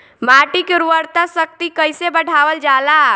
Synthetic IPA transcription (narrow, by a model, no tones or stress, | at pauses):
maʈikeɾuʋəɾt̪asək̚t̪ikəɪsebəɽʱaʋəld͡ʒaːla